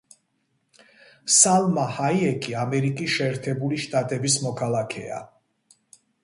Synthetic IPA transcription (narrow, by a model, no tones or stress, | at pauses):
salˠmahajɛkʼiamɛɾikʼisʃɛːɾt̪ʰɛbuliʃt̪ʼat̪ʼɛbismɔkʰalˠakʰɛ̰a̰